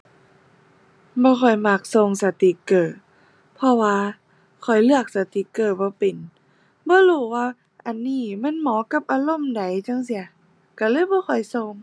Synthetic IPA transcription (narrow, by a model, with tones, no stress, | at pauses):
bɔː˧˦xʰɔ˧˩jmaː˧˩k̚so˧˨ŋsa˧˦t̪i˧˦kɤː˧˩ | pʰɔ˧waː˧ | kʰɔ˨˩jlɯ˧˩ək̚sa˧˦t̪i˧˨˦kɤː˧˩bɔː˧˦pe˨˩n | bɔː˧˦luː˧˩waː˧ | ʔa˨nːiː˧˥˩ma˧˥˨nmɔː˨˦ka˧˦p̚ʔaː˧lo˧˥˨mda˨˦jt͡ɕa˧˥˨ŋsi˧˦ɐ | ka˧˩lɤː˧˥˨jbɔː˧˦xʰɔ˨˩jso˧ŋ